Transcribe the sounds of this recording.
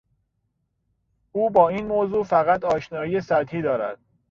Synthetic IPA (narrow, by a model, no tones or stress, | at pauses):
ʔuːbɒːiːnmoːzuːfæɣæt̪ʰɒːʃnɒːjijesæɾt̪hiːd̪ɒːɾæ̰d̪̥̚